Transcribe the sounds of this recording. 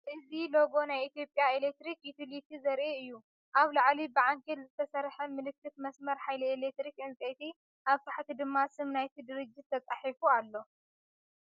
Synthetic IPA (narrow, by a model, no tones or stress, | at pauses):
ʔɨzilo̞ɡo̞najit̪jo̞pʼjaelek̚t̪ɾikjut̪ʰilit̪ʰizɐɾʔeɨjːu | ʔaβlaʕlibɨʕaŋkʰelzɨt̪ʰɐsɐɾħɐmɨlɨkːɨt̪mɐsmɐɾħajlielek̚t̪ɾikɨnt͡sʼet̪ʰi | ʔaβt̪ʰaħt̪id̪ɨmːasɨmnajt̪ʰid̪ɨɾɨd͡ʒːɪt̪ʰːɐt͡sʼaħifualːo̞